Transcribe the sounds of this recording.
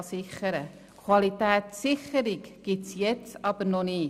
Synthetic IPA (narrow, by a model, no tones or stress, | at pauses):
sɪχəɾə | kʰwɑlit̪æːtsɪχəɾɪɡɡ̥ɪtsjɛt͡sɑb̥əɾnɔnɪː